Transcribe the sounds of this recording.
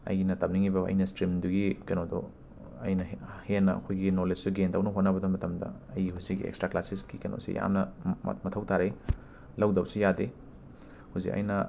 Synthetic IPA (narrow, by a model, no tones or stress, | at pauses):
ɐ̰jnɐtɐm̚niŋibɐɐ̰jnɐstɾimduɡikɐnodo̰ | ɐ̰jnɐhenːɐɐ̰kʰojɡinolessuɡendɐwnɐɦot̚nɐbɐdɐmɐtɐmdɐ̰ɐjihuzik̚ːḭḛkstɾaklasiskikɐno̰sḭja̰mnɐ̰mɐtʰɐwtʰaɾej | lɐwdɐwsijade | huwzḭkɐ̰jnɐ